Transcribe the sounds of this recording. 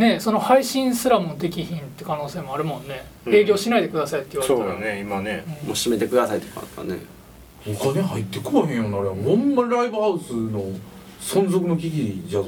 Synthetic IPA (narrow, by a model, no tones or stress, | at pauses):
ne̞so̞no̞haiɕĩɰ̃sɨɾamɯ̟not̪e̞kʲiçĩnt̪ːekano̞ːse̞ːmo̞aɾɯ̟mõ̞nːe̞ | e̞ːɡʲo̞ːɕinaid̪e̞kɯ̟d̪asait̪ːeiβasoːaj̪ane̞imane̞ɯ̃moɕime̞t̪e̞kɯ̟d̪asait̪ːe̥ko̰a̰a̰ne̞̰ | okaneɦait̪ːe̞koɦẽjonaɾemõmːaɾaibɯhaɯsɨno̞ | sõnzok̬ɯ̟nokʲiɡʲid͡ʑa